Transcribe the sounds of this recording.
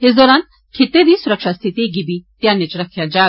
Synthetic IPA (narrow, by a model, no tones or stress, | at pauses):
esd̪ɔːɾaːn | kʰet̪ːed̪iːsʊɾəkʃast̪ʰit̪iɡibit̪jãːnːet͡ʃɾɐkʰjãd͡ʒaː